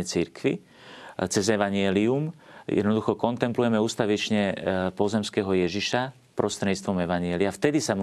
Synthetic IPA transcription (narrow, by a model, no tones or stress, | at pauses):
ɛt͡siɾkʋḭ | t͡sɛzɛʋaɲɪɛliumjɛ̰d̪nɔd̪uxɔkɔnt̪ɛmplujɛmɛuːst̪aʋit͡ʃɲɛpɔzɛmskɛɦɔjɛʒiʃa | pɾɔst̪ɾɛɲit͡st̪ʋɔmɛʋaɲiɛliaft̪ɛd̪isam